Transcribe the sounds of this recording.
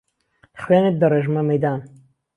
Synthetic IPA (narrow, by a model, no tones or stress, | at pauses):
χweːnet̪̚d̪ɐreːʒmɐmɐjd̪aːn